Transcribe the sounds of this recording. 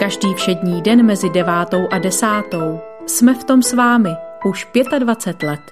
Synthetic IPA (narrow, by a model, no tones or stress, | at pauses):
kaʒdiːfʃɛdɲiːdɛnmɛzɪdɛvaːt̪o̞wʔadɛsaːt̪o̞w | smɛft̪o̞msvaːmɪʔuʃpjɛt̪advat͡sɛt̪lɛt̪